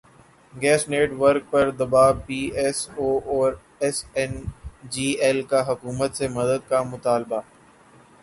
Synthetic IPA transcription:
ɡɛːsneːʈʋəɾk̚pɐɾd̪ɐbaːbpiːɛsoːɔːɾ | ɛsɛnd͡ʒiːɛlkaɦɐkuːmət̪semɐd̪əd̪̚kamʊt̪aːlba

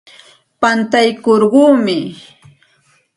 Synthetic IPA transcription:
pant̪ajkoɾɢuːmɪ

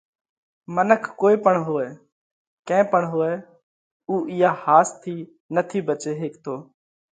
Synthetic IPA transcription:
mənəkʰːoːiːpəɳɦoːɛː | kɛ̃ːpəɳɦoːɛː | uːʔɪːaːhaːst̪ʰiː | nət̪ʰiːbət͡ʃeːɦeːkt̪ʰoː

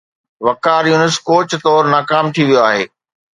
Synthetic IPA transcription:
ʋɐkaːɾjuːnɪskoːt͡ɕt̪ɔːɾnaːkaːmt̪ʰiʋijoaːɦḛː

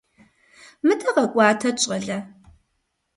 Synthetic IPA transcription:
mɨdɐʁɐkʷʼɑːtʰɐt͡ʃʼɐɮɐ

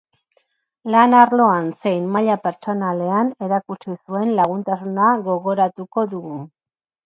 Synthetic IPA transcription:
lanaɾlo̞anse̞jnmaʎape̞ɾt͡ʃo̞nale̞ane̞ɾakut͡ʃisue̞nlaɣ̞unt̪asunaɣo̞ɣo̞ɾat̪uko̞ðuɣu

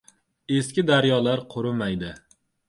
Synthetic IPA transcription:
eskʲɪd̪aɾjɒlaɾqʰʊɾɪmajd̪ɪ

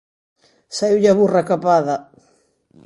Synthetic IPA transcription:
saiwʎaβurakapaðɐ

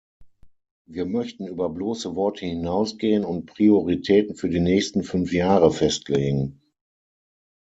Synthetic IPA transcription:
viːɐmœçtn̩yːbɐbloːsəvɔɐtʰəhɪnaʊsɡ̥eːənʊnt̚pʁ̥ioʁitʰɛːtn̩fyːɐdiːnɛːçstn̩fʏnfjaːʁəfɛstʰleːɡŋ̩

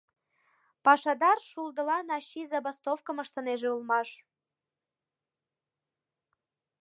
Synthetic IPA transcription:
pɑʃɑd̪ɑrʃuld̪ə̆lɑnɑɕizɑbɑst̪ofkəməʃt̪ə̆neʒeulmɑʃ

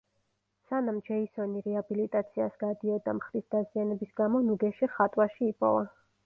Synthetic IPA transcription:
sanamd͡ʒɛisɔniɾɛabilit̪ʼat̪sʰiasɡ̥ad̪iɔd̪amχɾisd̪azianɛbisɡamɔnuɡɛʃiχat̪ʼwaʃiːpʼɔ̰va

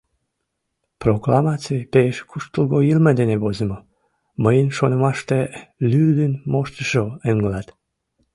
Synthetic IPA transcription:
proklɑmɑt͡sijpeeʃkʰuʃt̪əlɣoilməd̪eneβozəmo | məjənʃonəmɑʃt̪elyrd̪ənmoʃt̪əʃoeŋɡəlɑt̪

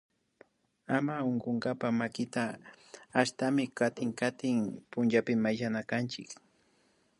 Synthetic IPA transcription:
amaoɴɢoŋɡapamakɪt̪aː | ʃt̪amɪkat̪ɪŋkat̪ɪŋpʊnt͡ʃapɪmajʒanakant͡ʃɪk

